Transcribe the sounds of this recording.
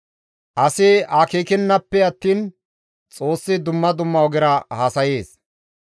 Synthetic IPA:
ʔɐsɪaːkeːkɪnːɐpːɛɐt̪ːiːn | t͡sʼo̞ːsːɪd̪ʊmːɐd̪ʊmːɐwɔɡɪɾɐhaːsɐjeːs

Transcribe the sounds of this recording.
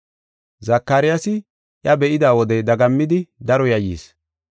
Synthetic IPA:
zɐkːaːɾɪjasɪ | ʔjɐbɛʔɪd̪aːwɔd̪ɛd̪ɐɡɐmːɪd̪ɪd̪ɐɾɔjɐjḭːs

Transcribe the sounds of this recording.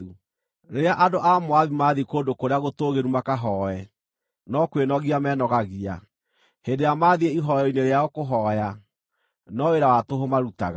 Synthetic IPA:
u | ɾeɾeaʔadoʔamoaðimaðikoːdokoɾeaɣotoːɣeɾumakaɦɔɛ | nɔkwenɔɣiamɛnɔɣaɣia̰ | hendejamaːðieiɦɔjɔineɾeaɔkoɦɔja | nɔeɾawatoɦomaɾuta̰ɣa

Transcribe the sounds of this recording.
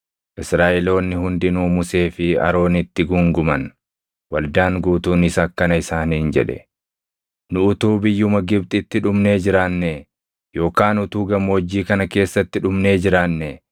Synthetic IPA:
ʔɪsɾaːʔɛlo̞ːnːɪhʊnd̪ɪnuːmʊse̞ːfɪɐ̰ɾo̞ːnɪt̪ːɪɡʊŋɡʊmɐn | wɐld̪aːŋɡuːt̪uːnɪsɐkːɐnɐɪsaːniːnd͡ʒɛ̰ᶑɛ̰ | nʊʊt̪uːbɪjːʊmɐɡɪb̚t̪ʼɪt̪ːɪᶑʊmne̞ːd͡ʒɪɾaːnːe | jo̞ːkaːnʊt̪uːɡɐmːoɔd͡ʒːiːkɐnɐke̞ːsːɐt̪ːɪᶑʊmne̞ːd͡ʒɪɾaːnːe

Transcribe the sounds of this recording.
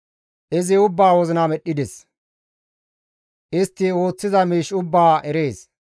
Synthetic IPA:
ʔɪzɪʊbːaːwɔzɪnamɛɗːɪd̪ɛs | ʔɪst̪ːɪo̞ːt͡sːɪzɐmiːʃʊbːaːɛɾe̞ːs

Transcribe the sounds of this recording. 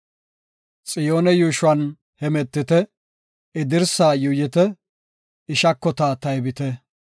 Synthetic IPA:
t͡sʼɪjo̞ːnɛjuːʃʊɐn | hɛmɛt̪ːɪt̪ɛ | ɪd̪ɪɾsaːjʊjɪt̪ɛ | ɪʃɐkːɔt̪aːt̪ɐjbɪt̪ɛ

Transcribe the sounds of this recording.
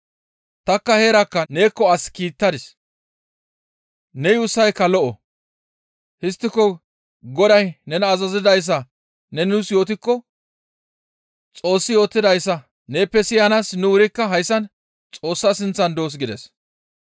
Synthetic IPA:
t̪ɐkːɐhe̞ːɾɐkːɐne̞ːkːɔɐskiːt̪ːɐd̪ɪs | nɛjʊːsːɐjkːɐlɔʔɔ | hɪst̪ːɪkːɔ | ɡɔd̪ɐjnɛnɐːzɐzɪd̪ɐjs̬ːɐ | nɛnnʊsjo̞ːt̪̬ɪkːɔ | t͡sʼo̞ːsːɪjo̞ːt̪ːɪd̪ɐjsːɐ | ne̞ːpːɛsɪjɐnasnʊwʊɾɪkːɐɦɐjsːɐn | t͡sʼo̞ːsːɐsɪnt͡sːɐnd̪o̞ːs̬ɡɪd̪ɛs

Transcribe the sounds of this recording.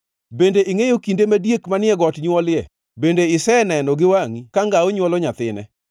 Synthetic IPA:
bendeʔiŋejokindemadjekmanɪɛɡɔtɲwɔlɪɛ | bendeɪsɛnɛnɔɡɪwaŋikaŋɡaoɲwɔlɔɲat̪ɪ̰nɛ̰

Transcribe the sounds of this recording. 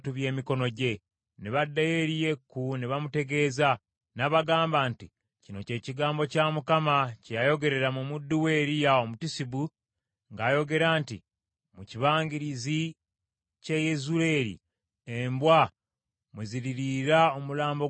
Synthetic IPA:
tuβje̞ːmiko̞no̞ɟe̞ | neβadːaje̞ɾije̞kːuniβamute̞ɡe̞ːza | naβaɡaːmbaːnti | cino̞ce̞ːciɡaːmbo̞caːmukamacejajo̞ɡe̞ɾe̞ɾamumudːuwe̞ːɾijao̞mutisibu | ŋɡaːjo̞ɡe̞ɾaːntḭ | muciβaːŋɡiɾizi | cejezuɾe̞ɾḭ | embwa | mweziɾiɾiɾao̞mulaːmbo̞

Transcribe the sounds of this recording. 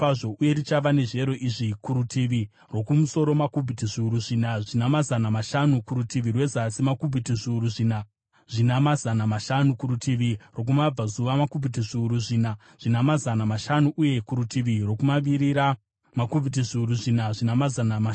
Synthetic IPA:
aʐo̞ʔuje̞ɾit͡ʃaʋane̞ʐe̞ɾo̞ʔiʐikuɾutʰiʋi | ro̞kumuso̞ɾo̞makubʱitiʐiuɾuʐinaʐinamazanamaʃanukuɾutiʋirwe̞zasimakubʱitiʐiuɾuʐina | ʐinamazanamaʃanukuɾutʰiʋiro̞k̬umab͡vazuʋamakubʱit̬iʐiuɾuʐiːna | ʐ̥inamazanamaʃanuʔuje̞kuɾutʰiʋiro̞kumaʋiɾiɾa | makub͡vʱit̬iʐiuɾuʐinaʐinamazanama

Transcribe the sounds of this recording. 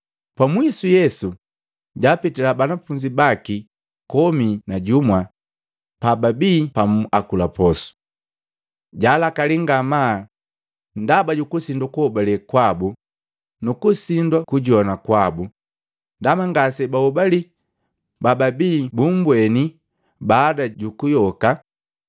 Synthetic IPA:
pwamwisujɛsu | ɟaːpitilabanafuɲd͡ʒibaki | kɔminaɟumwa | pababiːpamakulapɔsu̥ | ɟaːlakaliŋɡama | ndabaɟukusindakuhɔbalikwabu | nukusindwakuɟɔnakwabu | ndamaŋɡasɛbahɔbali | bababiːbum̩bwɛni | baːdaɟukujɔka

